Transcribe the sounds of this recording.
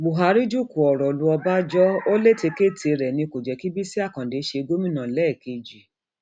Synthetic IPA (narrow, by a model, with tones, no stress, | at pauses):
bu˨ɦa˨˦ɾi˦d͡ʒu˦˨ku˨ɔ˨ɾɔ˨lu˧˦ɔ˧ba˦d͡ʒɔ˦o˦le˦˨te˧ke˦tʰe˨˧ɾɛ˨nĩ˧ko˨d͡ʒɛ˨ki˦bi˦si˦a˦˨kã˨de˨˦ʃe˧ɡo˦mĩ˦nã˨lɛ˨˦˨ke˧d͡ʒi˨